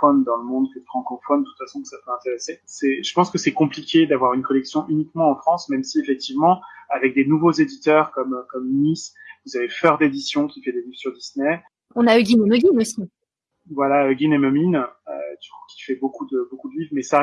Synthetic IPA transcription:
fɔnd̪ɑ̃ləmɔ̃d̪kɛt̪fχɑ̃kɔfɔnd̪ət̪u̥t̪fasɔ̃ksapøɛ̃t̪eʁesesɛʒ̥əpɑ̃skəsɛkɔ̃plikʲed̪avwaʁynkɔlɛksjɔ̃ʔynikmɑ̃ːfχɑ̃smɛmsiefɛk̚t̪ivmɑ̃avɛk̚d̪enuvozed̪it̪œʁkɔmkɔmːisvuzavefœʁd̪ed̪isjɔ̃kʲifɛd̪eliv̥syʁd̪isnɛ | ɔ̃naøɡʲinɛmøɡʲinosi | vwalaøɡʲinɛmøminø̰t̪y̥kḁkʲi̥fɛbokud̪əbokud̪əlivmɛsa

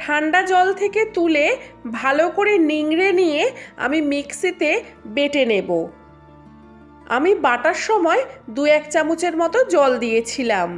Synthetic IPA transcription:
ʈʰaɳɖad͡ʑɔlt̪ʰeket̪ulebʱalokoɾeniŋɾenijea̰mimiksit̪ebeʈenebo | a̰mibaʈaɾʃɔmɔed̪uɛkt͡ɕamut͡ɕeɾmɔt̪od͡ʑɔld̪ijet͡ɕʰilam

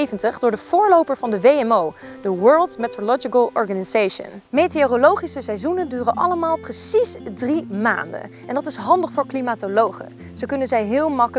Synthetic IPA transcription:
jvəntəχdʊːɹdəv̥ʊːɹlowpəɹvɑndəʋejɛmowdəwɜɹlˠtmetolɔd͡ʒikəlˠɔ̰ɹχanizejʃə̰nmejteorolowχisəsɛjzunəndyːrənʔɑ̰ləmaːlˠprəsisdrima̰ːndə̰nʔɛndɑtɪsɦɑndəχfʊːɹklimaːtolowχə̰ | z̥əkɵnənzɛjɦɪːlˠmɑkə

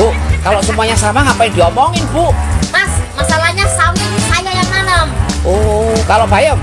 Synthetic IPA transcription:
ʊʔkaloʔsumuaɲasamaŋapaiŋdiɔmɔŋɪnbuʔmasmasalahɲasauninhajajaŋmanəmokalopaja

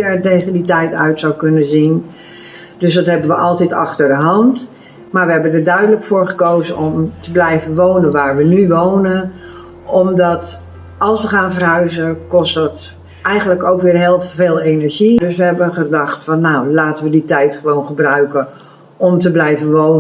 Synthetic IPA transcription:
ətejχənditɛjtœ̰ɥtsawkɵnənzin | d̥ɵsdɑtɦɛbənʋəʔɑlˠtɛtɑ̰χtəɹdəɦɑnt | maːɹʋəɦɛbəndəɹdœɥdələkfʊːɹχəkowzənɔmtəblɛjvənʋownənʋaːɹʋənyʋownən | ʔɔmdɑt | ɑlˠsʋəχaːnvərɦœɥzəkɔstdɑt | ɛjχənləkowkʋɪːrɦɪːlˠveːlˠenəɹʒidɵsʋəɦɛbənχədɑχtfɑnːawlaːtənʋəditɛjtχəʋownχəbrœɥkən | ɔmtəblɛjvənʋown

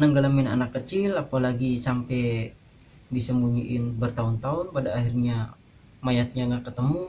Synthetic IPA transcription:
nəŋɡalamɪna̰nakːət͡ʃɪlapalaɡisampɛ | disəmbuɲiʔɪnbərt̪aʊnt̪aʊnpadaːhirɲa | majat̪̚ɲaŋɡakət̪əmu

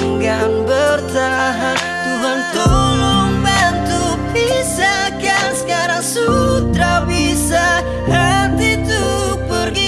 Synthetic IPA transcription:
ŋɡanbərt̪aɦan | t̪uɦant̪oloŋbɛnt̪u | pisakansə̥kaɾaŋsut̪ɾabisa | hənt̪it̪upəɾɡi

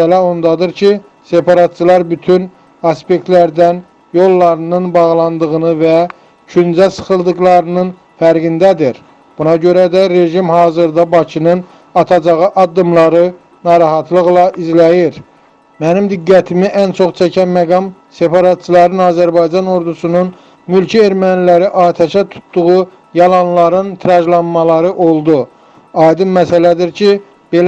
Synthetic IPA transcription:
ælæo̞nd̪ɑd̪ɯɾcʰi | se̞pʰɑɾɑt̪̚t͡ʃʰɯlˠɑɾbyt̪ʰyn | ɑspe̞kt̪læɾd̪æn | jo̞lˠːɑɾɯnɯnbɑʁlˠɑnd̪ɯʁɯnɯvæ | t͡ʃʰynd͡ʒæsɯ̥χɯlˠd̪ɯɣlˠɑɾɯnɯn | fæɾɡind̪æd̪iɾ | b̥unɑɟø̞ɾæd̪æɾe̞ʒimhɑːzɯɾd̪ɑbɑcʰinɯn | ɑt̪ʰɑd͡ʒɑʁɯʔɑd̪ːɯmlˠɑɾɯ | nɑːɾɑɦɑt̪ʰlˠɯɣlˠɑʔizlæjiɾ | mænimd̪iɡːæt̪ʰimiʔænt͡ʃʰo̞χt͡ʃʰæcʰænmæɡɑmse̞pʰɑɾɑt̪t͡ʃʰɯlˠɑɾɯnɑːzæɾbɑjd͡ʒɑno̞ɾd̪usunun | mylcʰieɾmænilæɾiʔɑːɾt̪ʰæʃæt̪ʰu̥t̪ːuʁu | jɑlˠɑnlˠɑɾɯnt̪ʰɾɑʒlˠɑnmɑlˠɑɾɯʔo̞lˠd̪u | ɑjd̪ɯnmæsælæd̪iɾcʰi | b̥el

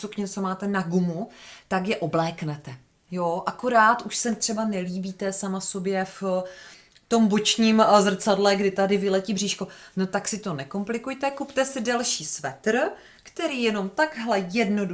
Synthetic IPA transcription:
sukɲɛt͡somaːt̪ɛnaɡumut̪akjɛʔo̞blɛːknɛt̪ɛ | joʔakoɾaːt̪ʔuʃsɛt̪r̝̥ɛbanɛliːbiːt̪ɛsamaso̞bjɛf | t̪o̞mbot͡ʃɲiːmzr̩t͡sadlɛɡdɪt̪adɪvɪlɛciːbr̝iːʃko̞no̞t̪aksɪt̪o̞nɛko̞mplɪkujt̪ɛkupt̪ɛsɪdɛlʃiːsvɛt̪r̩ | kt̪ɛɾiːjɛno̞mt̪aɡɦlɛjɛdno̞du

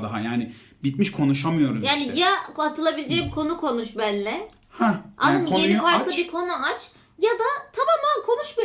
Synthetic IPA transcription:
d̪aɦajaːnɪ | bit̪miʃkʰo̞nuʃamɯjo̞ɾuzjaːnijaat̪ʰɯlˠabilʲed͡ʒɛbikʰo̞nukʰo̞nuʃbænlʲɛ | hɛ̃ʔanɯmjenifaɾkklˠabiɾkʰo̞nuat͡ʃ | jad̪at̪ʰamaːmankʰo̞nuʃma

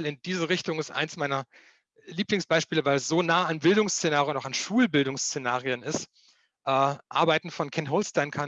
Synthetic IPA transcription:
lɪndiːzəʁɪçtʊŋɪstʔa̰ɪnsmaɪnɐ | liːplɪŋsb̥aɪʃpiːləvaɪlɛsz̥oːnaːəanbɪldʊŋst͡senaːʁiənaʊxanʃuːlbɪldʊŋst͡senaːʁiənɪst | ʔɛːʔa̰ɐbaɪtn̩fɔnkʰɛntɦoʊlstaɪnkʰa

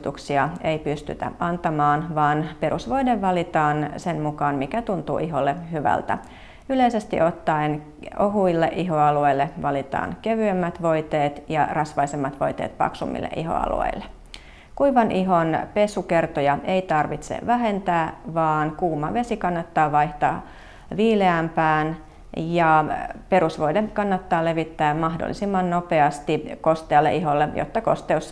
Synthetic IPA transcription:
t̪uksiɑejpyst̪y̰t̪æ̰ʔɑnt̪ɑmɑːnʋɑːnpe̞ɾusʋo̞jdeʋːɑlit̪ɑːnsenmukɑːnmikæt̪unt̪ṵːʔiɦo̞lːehyʋæ̰lt̪æ̰ | yle̞jse̞st̪ḭʔo̞t̪ːɑin | oɦuilːeʔiɦo̞ɑlueilːeʋɑlit̪ɑ̰ːnke̞ʋyømːæt̪ʋo̞jt̪e̞ːt̪jɑrɑsʋɑisemːɑt̪ʋo̞̰jt̪eːt̪pɑ̰ksumːḭlːḛʔiɦo̰ɑ̰lṵḛilːe | kuiʋɑnʔiɦonpe̞suke̞rt̪ojɑeit̪ɑrʋit̪sḛʋæɦe̞nt̪æːʋɑːnkuːmːɑʋe̞sikɑnːɑt̪ːɑːʋɑjht̪ɑː | ʋiːleæmpæːn | jɑpe̞ɾusʋo̞jdekɑnːɑt̪ːɑːle̞ʋit̪ːæːmɑhdo̰lːḭsimːɑnnopeɑst̪iko̞st̪eːlːḛʔiɦolːejʔo̰t̪ːɑko̞̰st̪eusː

